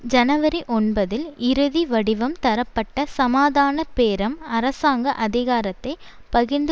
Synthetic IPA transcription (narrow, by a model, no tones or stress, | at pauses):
d͡ʒɐnɐʋɐɾiʔɔnbɐðɪlɪɾɯðiʋɐɽɪʋɐmt̪ɐɾɐpːɐʈːɐsɐmaːðaːnɐpeːɾɐmɐɾɐsaːŋɡɐʔɐðɪɣaːɾɐt̪ːɐɪ | pɐɣɪnd̪ɯ